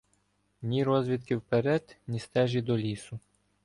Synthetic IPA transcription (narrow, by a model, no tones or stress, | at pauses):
nʲiɾɔzʋʲit̪kɪwpeɾɛd̪nʲist̪ɛʒid̪ɔlʲisʊ